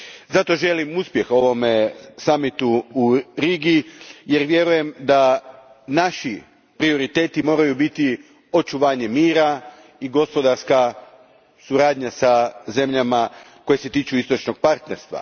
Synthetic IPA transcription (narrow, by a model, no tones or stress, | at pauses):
zat̪o̞ʒe̞limuspje̞xo̞ʋo̞mesamit̪uːɾiɡije̞ɾʋje̞ɾuje̞md̪a | naʃi | pɾio̞ɾit̪e̞ːt̪imo̞ːɾajubit̪i | o̞t͡ʃuʋaːɲe̞miːɾa | iɡo̞spo̞d̪aɾska | suɾaːd̪ɲasaze̞mʎama | ko̞je̞se̞t̪iːt͡ʃuist̪ot͡ʃnoɡ̥̚paɾt̪ne̞ɾst̪ʋa̰